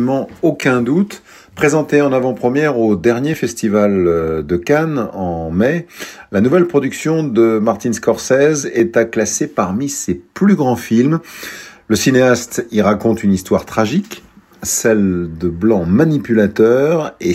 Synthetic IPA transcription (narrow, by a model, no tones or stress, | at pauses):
mɑ̃okʲɛ̃d̪ut̪ | pχezɑ̃t̪eɑ̃navɑ̃pχəmjɛʁod̪ɛʁnjefɛst̪ivald̪əkanɑ̃mɛlanuvɛlpχɔd̪yksjɔ̃d̪əmaʁt̪inskɔʁsɛzɛt̪aklasepaʁmiseplyɡʁɑ̃film | ləsineast̪iʁakɔ̃t̪ynist̪waʁt̪χaʒik | sɛld̪əblɑ̃manipylat̪œʁe